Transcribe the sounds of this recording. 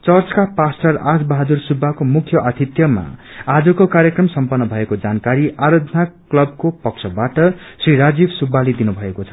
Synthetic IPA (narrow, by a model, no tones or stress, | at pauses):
t͡sʌrt͡skapasʈʌrad͡zbʌɦad̪ursubʱːakomukʰjʌʔʌt̪ʰit̪jʌma̰ad͡zʌkokaɾjʌkrʌmsʌmpʌnːʌbʱʌekod͡zankaɾiʔaɾʌd̪ʱnaklʌb̚kopʌksʰʌbaʈʌsriɾad͡zibsubʱːaled̪inubʱʌekot͡sʰʌ̥